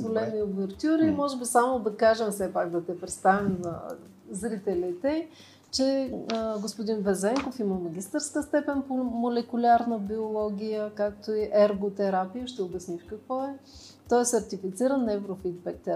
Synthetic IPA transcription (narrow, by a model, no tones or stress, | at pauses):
zvolɛniovɛɾt̪ʲuɾimɔʒɛbisamod̪ɐkaʒɛmfsɛpakd̪ɐt̪ɛpɾɛt̪st̪avimzɐ̰ | zɾit̪ɛlit̪ɛ | t͡ʃɛ | ɡospʊd̪invɛzɛŋkofiməmɐɡ̟ʲist̪əɾskəst̪ɛpɛnpomolɛkʊlʲaɾnəbiolˠɔɡʲijəkak̚t̪oiʔɛɾɡot̪ɛɾapijəʃt̪ɛobʲɐsnifkɐkvɔɛ | t̪ɔɛsɐɾt̪ifit̪siɾənːɛvɾofit̪̚bɛk̚t̪ɛ